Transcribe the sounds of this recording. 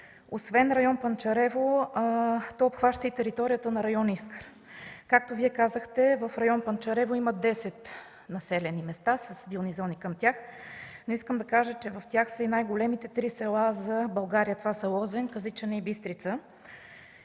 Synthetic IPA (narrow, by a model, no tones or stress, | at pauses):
osvɛnɾɐjɔnpɐnt͡ʃɐɾɛvo | t̪ɔopxvaʃt̪əit̪ɛɾit̪ɔɾijət̪ənɐɾɐjɔniskəɾ | kak̚t̪oviɛkazəxt̪ɛvəfɾɐjɔnpɐnt͡ʃɐɾɛvoiməd̪ɛsɛt̪ | nɐsɛlɛnimɛst̪asɐsbilˠnizɔnikəmt̪ʲjaxnʊiskəmd̪ɐkaʒət͡ʃɛvɐft̪ʲjaxsəinajɡolɛmit̪ɛt̪ɾisɛlˠazɐbɐlˠɡaɾijət̪ovasɐlˠɔzɛnkəzit͡ʃənɛibist̪ɾit̪sə